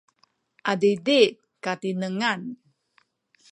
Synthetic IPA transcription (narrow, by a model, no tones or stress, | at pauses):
ʔadidi | kat̪inəŋan